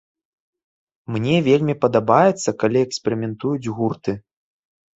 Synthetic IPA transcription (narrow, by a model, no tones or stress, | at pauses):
mnʲɛvʲelʲmʲipɐd̪abajɛt̪sːɐkalʲiɛksʲpʲeɾʲɨmʲɛnt̪ujud͡zʲɣurt̪ɨ